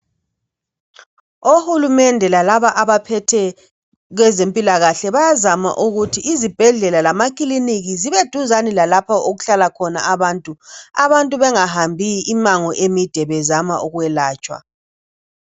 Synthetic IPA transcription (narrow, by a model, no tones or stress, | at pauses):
ohulumɛndʱɛlalaβaʔaβapʰɛtʰɛ | ɣwɛzempʼilaɣaɬɛβajazama̰ʔuɣutʰiʔːzib̥ʱɛɮɛlalamakʼiliniɣiziβed̥ʱuzanilalapʰaoɣuɬalakʰɔna̰aβaːntʼua̰βantʼuβɛŋahambʱiʔːmaŋɔʔemid̥ʱɛβɛzamaʔuɣwɛlaːt͡ʃʼwa̰